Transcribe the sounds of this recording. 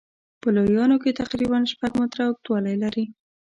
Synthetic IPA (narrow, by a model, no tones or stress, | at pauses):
pəlojɑnoket̪aqɾiβanʃpaɡmʊt̪ɾaʊk̚t̪wɑlajlaɾi